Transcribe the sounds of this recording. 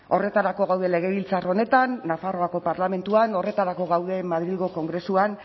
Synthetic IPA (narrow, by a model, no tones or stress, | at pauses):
o̞re̞t̪aɾako̞ɣ̞awðe̞le̞ɣ̞e̞βilt͡saro̞ne̞t̪anːafaro̞ako̞paɾlame̞nt̪uano̞re̞t̪aɾako̞ɣawðe̞mað̞ɾilɣo̞ko̞ŋɡɾe̞suan